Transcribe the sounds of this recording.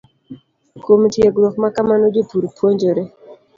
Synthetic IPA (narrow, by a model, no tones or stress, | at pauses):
komtjeɡɾɔkmakamanod͡ʒopuɾpwoɲd͡ʒoɾe